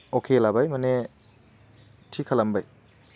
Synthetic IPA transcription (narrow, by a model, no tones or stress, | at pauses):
okʰelabajmɐne | tʰikʰɐlɐmbaj